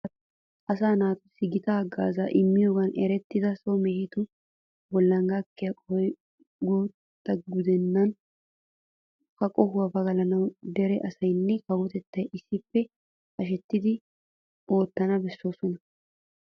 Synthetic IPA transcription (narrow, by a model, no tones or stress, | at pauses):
ʔɐs̬aːnaːt̪ʊsːɪɡɪt̪aːɡaːzaːʔɪmːɪjoːɡɐnɛɾɛt̪ːɪd̪ɐsomehɪt̪ʊ | bɔlːɐŋɡakːɪjɐkʼɔj | ɡuːt̪ːɐɡʊd̪ɛnːɐn | kɐkʼɔhʊwɐbɐɡɐlɐnɐwd̪ɛɾɛʔɐsɐjnːɛkɐwɔt̪ɛt̪ːɐjʔɪsːɪpːɛ | ʔɐʃ̬ɛt̪ːɪd̪ɪ | ʔo̞ːt̪ːɐnɐbɛsːoːsɔnɐ